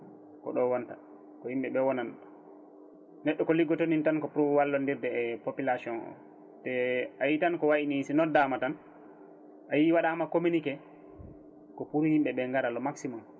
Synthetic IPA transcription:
kɔ̰ɗɔwɔnta | kɔhimɓɛɓɛwɔnan | nɛɗːɔkɔliɡɔtonintankɔpuɾɔwalːɔndiɾdɛːpopilasiɔnɔ̰ | tɛʔajitankɔwaʔinisinɔdamatan | ʔajiwaɗamakominikɛ | kɔpuɾuhimɓɛɓɛŋɡaɾalɔmaksimɔm

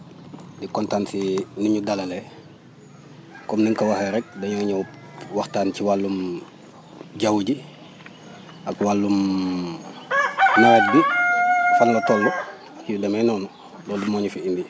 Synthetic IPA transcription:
dikɔntansinuɲudalɐlɛ | kɔmniŋkɐwaheɾɛk̚dɐɲɔɲɔ | waxtaːnciwalːum | ɟawɟi | akwalːum | mawɐt̚bi | fanlɐtɔlːɔ | judɐmɛnɔnu | dɔːdimɔːɲufiimbi

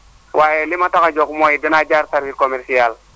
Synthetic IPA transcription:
wʔajɛlimatakad͡ʒɔkmɔidɛnad͡ʒaɾtaɾfikɔmɛɾsial

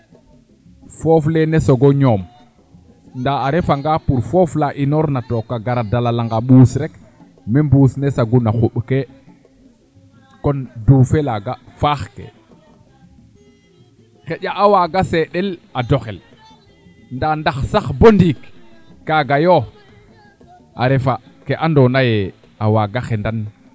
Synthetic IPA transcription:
foːflenesoɡoɲom | ndaːɾefaŋɡapuɾfoflaʔinoɾnatokːaɡaɾadalalaŋɡaɓuːsɾek | membuːsnesaɡunaxuɓke | konduːfelaɡafaxkḛ | xeʄaʔːwaɡaseɗeladoxel | ndandaxsaxbondikːaɡajo | a̰ɾefakeʔandonaje | awaɡaxendan

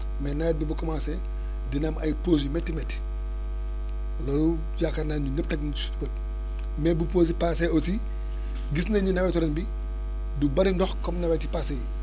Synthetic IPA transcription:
mɛnɐwɛt̚bibukɔmaːsɛ | dinamɐjpos̬imɛtːimɛtːi̥ | lɔlu | d͡ʒakanaunəp̚tɐɡn | bɐt̚ | mɛbupoːs̬ipasɛosi | ɡisnɐɲunɐwɛtɔɾɐnbi | dubɐɾindɔxkɔmnɐwɛtipasɛ

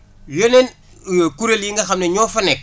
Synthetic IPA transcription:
jonen | kuɾeljiŋɡɐxamneɲoːfanek̚

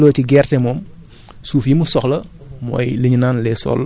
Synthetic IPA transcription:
loːtiɡɛrtɛmɔːm | suːfjimusɔxlɐmɔ̰jləɲinaːnlɛːsɔ̰ːlː

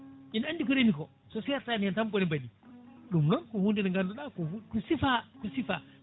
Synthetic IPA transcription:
ʔinandikɔɾemikɔ | sɔsɛjatanjantambɔnibaɗiɗumnɔnkɔhundinaŋɡandɔɗakɔkusifakusifa

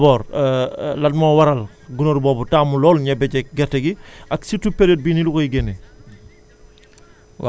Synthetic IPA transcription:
bɔːɾ | lɐt̚mɔːwɐɾɐl | ɡunoɾbɔːbutaːmulɔːlɲɐbɛɟɛk̚ɡɛtːɐɡiʔɐksitːupeɾet̚binilukojɡɛnɛ

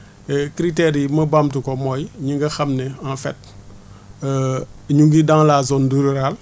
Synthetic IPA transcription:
ɛkɾitɛɾimɐbamtukɔmɔjɲuŋɡɐxɐmnɛanfɛ̰t̚ | ɲuŋɡidaŋlazɔnduɾiɾal

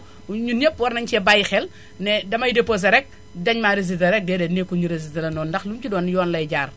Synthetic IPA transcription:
ɲunepːwɐɾnɐɲt͡ʃɛbajxɛl | nɛdɐmɐjidepːos̬ɐɾɛk̚ | dɐɲmaɾez̬itɐɾɛk̚dɛːdɛnekːuɲuɾez̬itɐlɐnɔːndɐxlumcidɔːnjɔːnlɐjɟaːr

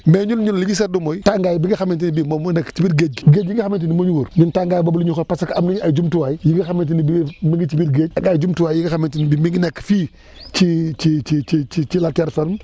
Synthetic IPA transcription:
meɲunɲulliɲis̬ɛdumojtaŋɡajbiɡixamint̬inibimomnɛkːt͡ʃibitɡed͡ʒɡed͡ʒiŋɡixamint̬inimoɲuwuɾnintaŋɡaːjbabuliuxopasakamniɲad͡ʒumtuwajijiɡixamint̬inibimiŋɡit͡ʃibitɡed͡ʒaɡad͡ʒumtuwajjiɡixamintinbimiŋɡnekːfiː | t͡ʃit͡ʃit͡ʃit͡ʃit͡ʃit͡ʃilatɛɾsanm

